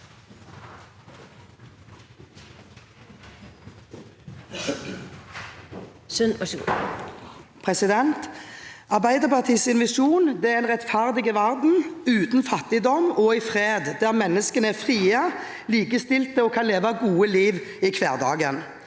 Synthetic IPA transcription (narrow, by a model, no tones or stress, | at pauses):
sʉnɔ | pʰʁɛsɪd̪ɛnt̪ɑʁbæɪd̪əʁpɑʁt̪ʰiːsɪnʋɑʂuːnd̪ɛæɛnʁɛt̪fæʁd̪ɪɡəʋæʁd̪n̩ʉːt̪n̩fɑt̪ɪd̪ɔmɔɪfʁeːd̪d̪æːʁmɛnːəskənəæfʁiːə | liːkəst̪ɪlt̪əɔːkʰɑnleːʋɑɡuːəliːʋiːkʰʋeːʁd̪ɑ̰ːɡən